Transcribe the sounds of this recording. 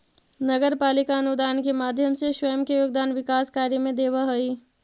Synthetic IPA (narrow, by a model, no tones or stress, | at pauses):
nɐɡəɾpaːlɪkaɐnud̪aːnkemaːd̪ʱjəmseʃwəjəmkejoːɡ̚d̪aːnʋɪkaːskaːɾjəmẽd̪eːʋaɦɐi